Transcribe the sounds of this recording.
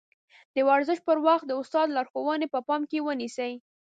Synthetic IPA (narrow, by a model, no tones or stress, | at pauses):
d̪əwaɾzəʃ̚pəɾwaxt̪̚d̪əʊst̪ɑd̪lɑɾxowənepəpɑmkewənisəj